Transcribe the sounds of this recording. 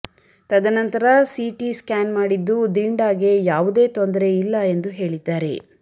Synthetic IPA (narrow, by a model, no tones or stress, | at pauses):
t̪ɐd̪ɐnɐnt̪ɐɾɐsiʈiskaːnmaːɽid̪ːud̪iɳɖaːɡe̞jaːʋud̪e̞ːt̪ond̪ɐɾe̞ilːɐe̞nd̪uɦe̞ːɭid̪ːaːɾe̞